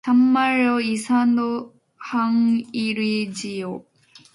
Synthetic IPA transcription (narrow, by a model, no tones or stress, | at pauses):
sʰamːaɭɔisʰand̪o | haŋiɾid͡ʑijo